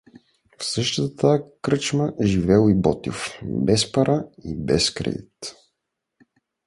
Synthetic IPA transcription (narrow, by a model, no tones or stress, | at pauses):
fsɤʃt̪ət̪ət̪akɾɤt͡ʃməʒivɛlˠibɔt̪ḭfbɛspɐɾʔaibɛskɾɛ̰d̪it̪